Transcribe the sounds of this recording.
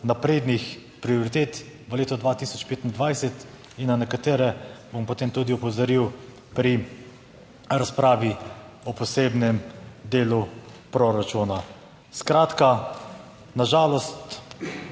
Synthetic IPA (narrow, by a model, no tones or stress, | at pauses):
napɾeːd̪nix | pɾioɾit̪eːt̪ʋəleːt̪ɔd̪ʋaːt̪isɔt͡ʃpeːt̪ind̪ʋajsɛt̪ | inːanɛkat̪eːɾɛbompot̪eːmt̪uːd̪iɔpɔzaɾiw | pɾi | ɾaspɾaːʋi | ɔpɔseːbnɛmd̪eːlupɾoɾat͡ʃuna | skɾaːt̪ka | naʒaːlɔst̪